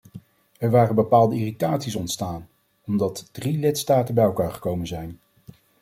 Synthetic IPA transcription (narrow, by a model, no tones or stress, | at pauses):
ɛɹʋaːrənbəpaːlˠdəiːritaːtsisɔntstaːn | ɔmdɑtd̥rilɪtstaːtənbɛjɛlˠkaːɹχə̥kowmənzɛjn